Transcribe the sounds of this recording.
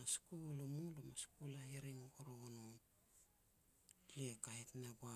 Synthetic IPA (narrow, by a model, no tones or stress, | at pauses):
askulomulomaskulaiɾiŋooɾoonon | lekahetnaba